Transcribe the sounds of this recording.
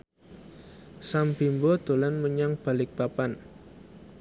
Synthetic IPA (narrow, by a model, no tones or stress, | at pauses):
sambimbɔd̪̥o̤lanməɲaŋb̥a̤lɪk̚b̥apan